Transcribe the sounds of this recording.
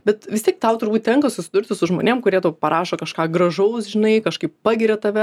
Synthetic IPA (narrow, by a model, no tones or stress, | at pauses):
bʲɛt̪ʋʲɪst̪ʲiɛk̚t̪ɐʊt̪ʊɾrbuːt̪ʲt̪ʲɛŋkɐsʊsʲɪd̪ʊɾʲt̪ʲɪsʊʒmo̰ːnʲeːmkʊɾʲiɛt̪uːpɐɾʔɑːʃoːkɐʃkɑːɡɾɐʒɐʊsʒʲɪnɐɪkɐʃkɐɪppɑːɡʲɪɾʲɛt̪ɐʋʲɛ